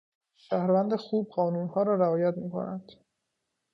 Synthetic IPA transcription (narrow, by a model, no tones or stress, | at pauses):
ʃæhɾvænd̪exuːb̚ɢɒːnuːnhɒːɾɒːɾæɒːjæt̪miːkʰo̰nænd̪̥